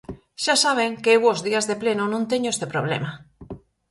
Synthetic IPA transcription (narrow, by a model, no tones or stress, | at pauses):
ʃasaβ̞eŋkeewozðiazðeplenonõnt̪eɲoest̪epɾoβ̞lḛma